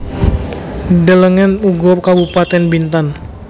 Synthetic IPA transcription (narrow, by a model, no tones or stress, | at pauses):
dələŋɛnuɡɔkabupat̪ɛnbint̪an